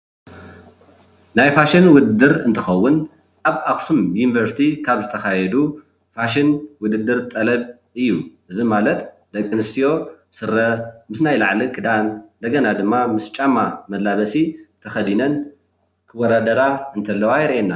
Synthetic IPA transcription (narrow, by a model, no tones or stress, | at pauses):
najfaʃinwʊd̪ɨd̪ːɨɾɨnt̪ʰɨxɐwːʊn | ʔaβaksumjunivɐɾsi̥t̪ʰikʰaβzɨt̪ʰɐxajɛd̪u | faʃɪnwʊd̪ɨd̪ɨɾt̪ʼɐlɐβ | ɨjːuʔɨzimalɐt̪ | d̪̥ɐkʼːɨnɨst̪ʰijo̞sɨɾːɐmɨsnajlaʕlikʼɨd̪and̪ɐɡɐnad̪ɨmːamɨst͡ʃʼamːamɐd̪lːaβɐsit̪ʰɐxɐd̪inɐn | kʰɨwːɔd̪ad̪ɐɾaɨnt̪ʰɐlːɐwajɪɾʔenːa